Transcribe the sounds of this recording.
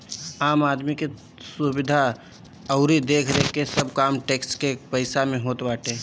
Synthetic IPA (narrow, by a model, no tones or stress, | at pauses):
aːmaːd̪mike | subɪd̪ʱa | ɐʊɾid̪eːkʰɾəɦekesəb̚ʱkaːmʈeːkskepəɪsamẽɦoːt̪baːʈeː